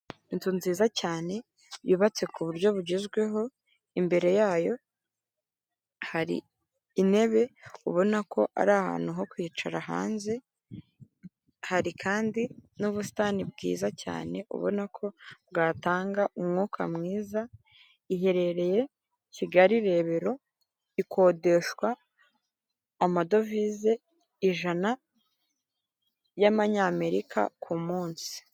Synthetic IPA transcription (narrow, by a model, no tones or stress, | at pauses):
intunziːzacaːne̞ | jiːβat͡se̞kuβuɾɟo̞βuɟezɡwe̞ɦo̞ | imbe̞ɾe̞jaːjo̞ | haɾḭː | ne̞βe̞uβo̞nakʰo̞ʔa̰ɾaːha̰ːn̥huɦo̞kwit͡ʃaɾaɦa̰ːnze̞ | haɾikʰaːndinuβusi̥tanibɡḭːzaca̰ːne̞ʔṵβo̞̰nakʰo̞bɡaːtaːŋɡaʔumŋuːkʰa̰mŋiːza | iɦe̞ɾe̞ɾe̞je̞ | ciɡaɾiɾe̞βe̞ɾo̞ | ikʰo̞ːde̞ʃwa | mado̞vize̞ | iʒana | jaβaɲaːme̞ɾikʰa̰kʰumuːnsi̥